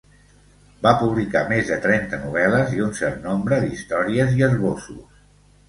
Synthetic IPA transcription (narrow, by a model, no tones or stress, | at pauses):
bapuβ̞likamezðət̪ɾɛnt̪ənuβ̞ɛləziunsɛɾt̪nombɾəðist̪ɔɾiəziərβosṵs